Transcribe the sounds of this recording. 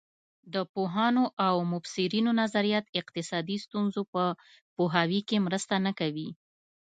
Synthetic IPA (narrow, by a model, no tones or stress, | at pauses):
d̪əpoɦɑnoʔawmʊfsɪɾinonazaɾijat̪ɪqt̪ɪsɑd̪ist̪unzopə | poɦɑwikemɾəst̪anəkawi